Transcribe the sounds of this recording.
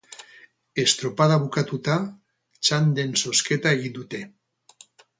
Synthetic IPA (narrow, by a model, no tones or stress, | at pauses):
est̪ɾopaðaβukat̪ut̪a | t͡ʃand̪ensosket̪aɣid̪ut̪e